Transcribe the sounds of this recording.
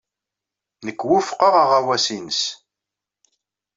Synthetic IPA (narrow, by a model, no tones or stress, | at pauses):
nəkːwʊfqəʁaʁawæsinəs